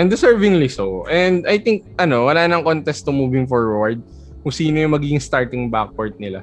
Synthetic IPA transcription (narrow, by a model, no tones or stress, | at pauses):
ʔɛ̃nd̪ɪsɛɹvɪŋlisoʔɛnd̪ɐjt̪ɪŋk̚ʔɐno̞wɐlaːnɐŋkont̪ɛst̪omuːvɪŋfɔɹwɐɹd̪̚ | kʊŋsiːnojʊŋmɐɡiːɡɪŋst̪aɹt̪ɪŋbak̚poɹd̪̚nɪla